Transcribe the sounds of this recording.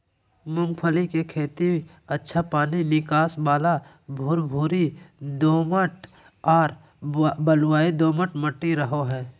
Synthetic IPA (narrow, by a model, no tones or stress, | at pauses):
mʊ̃ŋɡpʰəlikekʰeːt̪i | ətːʃʰapaːninɪkaːsbaːla | bʱuːɾbʱuːɾid̪oːməʈ | ɔːɾ | bəlwaːid̪oːməʈməʈːiɾəɦoɦɛː